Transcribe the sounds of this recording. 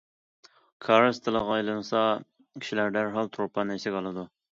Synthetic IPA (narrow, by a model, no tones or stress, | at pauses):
kʰɑɾst̪ʰɨlˠəʁɑːjlˠɨnɨsɑ | kʲʰi̥ʃilæɾd̪æɾɦɑlˠt̪ʰɾopʰɑnɛsɪkʲɑlˠɨd̪u